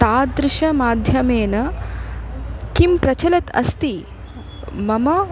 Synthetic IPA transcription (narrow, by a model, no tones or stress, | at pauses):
t̪aːd̪ɾɪʃɐmaːd̪ʱjɐmeːnɐ | kimpɾɐt͡ʃɐlɐt̪ɐ̰st̪i | mɐmɐ